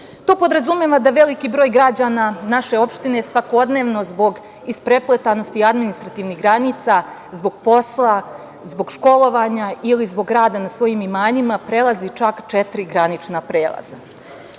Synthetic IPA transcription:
t̪o̞ːpo̞d̪ɾazumeʋad̪aʋe̞likibɾo̞ːjɡɾad͡ʑananaʃe̞o̞pʃt̪ine̞sʋako̞d̪ne̞ːʋno̞zbo̞ɡ | ispɾe̞plept̪ano̞st̪iad̪minist̪ɾat̪iːʋniɦɡɾanit̪sazbo̞ɡ̥̚po̞slˠa | zbo̞ɡʃko̞lˠo̞ʋaɲailizbo̞ɡɾaːd̪anasʋo̞jiːmimaːɲimapɾe̞lˠazit͡ʃakt͡ʃet̪ɾiɡɾanit͡ʃnapɾeːlˠa̰za̰

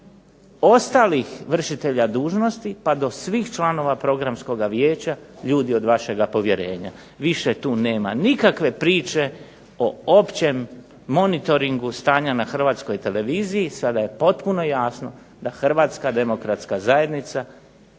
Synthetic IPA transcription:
o̞st̪aːlixʋr̩ʃit̪e̞ʎad̪uːʒno̞st̪ipad̪o̞sʋiːxt͡ʃlˠano̞ʋapɾo̞ɡɾamsko̞ɡaʋjeːt͡ɕaʎuːd̪io̞d̪ʋaʃe̞ɡapo̞ʋje̞ɾe̞ːɲa̰ | ʋiʃet̪uːne̞ːmanikakʋe̞pɾiːt͡ʃe̞ | oo̞pt͡ɕe̞mː | o̞nit̪o̞ɾiŋɡust̪aːɲanaxr̩ʋaːt̪sko̞jt̪e̞le̞ʋiːzijisad̪aje̞po̞t̪puno̞jaːsno̞̰ | d̪axr̩ʋaːt̪skad̪e̞mo̞kɾat̪skazaje̞d̪nit̪sa

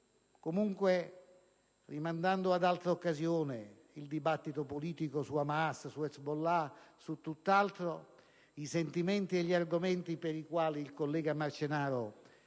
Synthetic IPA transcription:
komuŋkwe | rimand̪and̪oad̪alt̪ɾokːazjoːnɪ | ild̪ibat̪ːit̪opoliːt̪ikosuamaassuɛsbolːasut̪ːut̪ːalt̪ɾo | isent̪imɛnt̪ieʎːiarɡomɛnt̪ipeɾikwaːliːlkolːɛːɡamart͡ʃenaːɾo

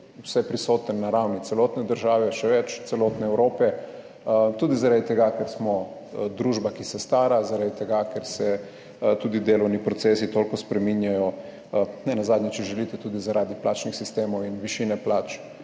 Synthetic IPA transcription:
usɛpɾisoːt̪ənːaɾawnit̪sɛlɔt̪nɛd̪əɾʒaːʋɛʃɛʋɛt͡ʃt̪sɛloːt̪nɛɛwɾoːpɛ | t̪uːd̪izaɾad̪it̪ɛɡakɛɾsmɔ | d̪ɾuʒbakisɛst̪aːɾazaɾad̪it̪ɛɡakɛɾsɛ | t̪uːd̪id̪eːlɔwnipɾɔtseːsit̪olkɔspɾɛminjajɔ | nɛnazaːd̪njɛt͡ʃɛʒɛlit̪ɛt̪uːd̪izaɾaːd̪iplaːt͡ʃnixsist̪eːmɔwinʋiʃinɛplaːt͡ʃ

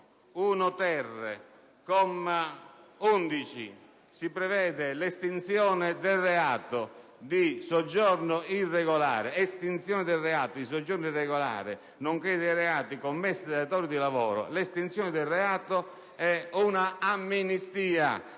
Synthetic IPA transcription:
unʊt̪ɛrːɪ̰ | kɔm | und̪it͡ʃḭ | sipɾɛvɛːd̪ɪlest̪int̪sjɔːnɪd̪elreaːt̪o | d̪isɔd͡ʒːɔrnʊirːɛɣola̰ːɾɪest̪int̪sjɔːnɪd̪elrɛaːt̪od̪is̬od͡ʒːɔrnʊirɛɣola̰ːɾɪ̰ | noŋkɛd̪ejɾɛaːt̪ikomːɛsːɪd̪at̪ɔːɾid̪ilavɔ̰ːɾʊ̰lest̪int̪sjɔːnɪd̪ɪlːɛaːt̪o | ɛunaamːinist̪iːa̰

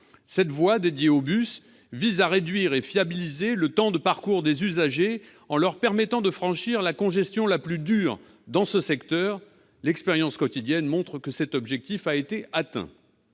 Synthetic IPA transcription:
sɛt̪vwad̪ed̪jeobys | vizaʁed̪ɥiʁefjabilizelət̪ɑ̃d̪əpaʁkuʁd̪ezyzaʒe | ɑ̃lœʁpɛʁmɛt̪ɑ̃d̪əfχɑ̃ʃiʁlakɔ̃ʒɛst̪jɔ̃laplyd̪yːʁ | d̪ɑ̃səsɛkt̪œʁ | lɛkspeʁjɑ̃skɔt̪id̪jɛnmɔ̃t̪χkəsɛt̪ɔbʒɛk̚t̪ifaet̪eat̪ɛ̰̃

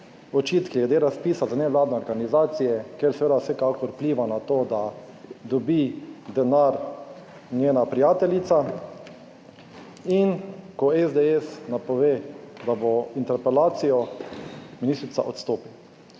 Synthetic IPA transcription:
ɔt͡ʃit̪kilɛd̪eɾaspiːsazanɛʋlaːd̪nɛɔɾɡanizaːt̪sijɛkeɾsɛʋeːd̪awsɛkakɔɾupliːʋanat̪oːd̪a | d̪ɔbid̪ɛnaɾ | nʲjeːnapɾijaːt̪ɛlit̪sa | inkɔɛzd̪eɛsnapɔʋed̪aboint̪ɛɾpɛlaːt̪sijɔ | minist̪ɾit̪sa̰ʔɔt̪st̪oːpiw

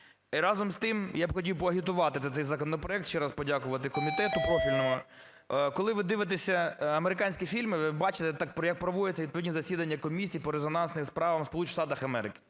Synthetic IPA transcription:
iɾɑzɔmst̪ɪmjabxɔtʲiwpɔɐɦʲit̪ʊʋɑt̪ɪt̪ɛɛjzɐkɔnɔpɾɔɛk̚t̪ʃt͡ʃɛɾɑspɔdʲakʊʋɐt̪ɪkɔmʲit̪ɛt̪ʊpɾɔfʲilʲnɔɦɔ | kɔlˠɪʋɪd̪ɪʋɪt̪̬esʲɐɐmeɾɪkɑnʲsʲkʲifʲilʲmɪʋɪbɑt͡ʃɪt̪ɛt̪ɑk̚pɾɔjɐk̚pɾɔʋɔjʲet͡sʲɐʋʲid̪̚pɔʋʲidʲnʲizɐsʲid̪ɐnʲːɐkɔmʲisʲijːpɔɾezɔnɑnsnɪmspɾɑʋɐmspɔlˠut͡ʃi̥ʃt̪ɑt̪ɐxɐmɛɾɪkɪ̥

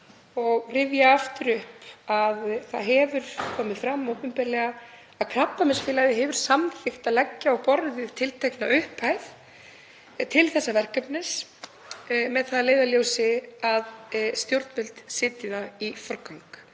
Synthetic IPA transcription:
ɔɣrɪvjaaft̪ʏɾʏhpaðθaðɦɛvʏɾ̥kʰɔːmɪðfɾamːowpʏmpɛːɾlɛɣa | aðkʰnapːamɪsfɪːlajðɪɦɛvʏɾ̥samθɪxt̪aðlɛcːaɔɣpɔɾðɪðt̪ʰɪlt̪ʰejknaʏhpʰajθ | t̪ʰɪlθɛsːavɛr̥kœpnɪs | mɛðθaðleːjðaljowsɪaðst̪jowɾt̪mɪlt̪sɪːt̪ɪðaifɔɾkawŋk

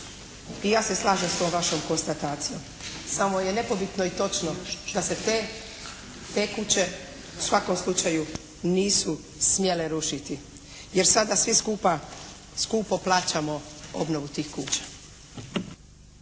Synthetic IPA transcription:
ijaːse̞slˠaːʒemst̪o̞ːmʋaʃomko̞nst̪at̪aːt̪sijo̞m | samo̞je̞ne̞po̞bit̪no̞it̪o̞t͡ʃnod̪aset̪e | t̪e̞ːkut͡ɕe̞ | u̥sʋako̞mslˠut͡ʃaju | niːsu | smje̞leɾuʃit̪i | je̞ɾsad̪asʋiskupa | skuːpoplˠaːt͡ɕamo̞o̰bnoʋut̪iːxkuːt͡ɕḁ

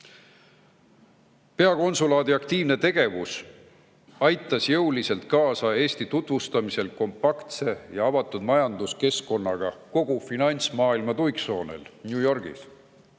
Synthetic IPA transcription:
pe̞ɑko̞nsulɑːd̪iɑkt̪iːvne̞t̪e̞ɡ̥e̞vus | ɑjt̪ːˑɑsjɤwlise̞lt̪̚kɑːsɑe̞ːsʲt̪it̪ut̪vust̪ɑmise̞lko̞mpɑkt̪se̞jɑɑvɑt̪ːˑud̪̥mɑjɑnd̪uske̞sko̞nːɑɡ̥ɑko̞ɡ̥ufinɑnʲt̪smɑːilmɑt̪ujkso̞ːne̞̰lnʲjuːjo̞rɡ̥ḭs

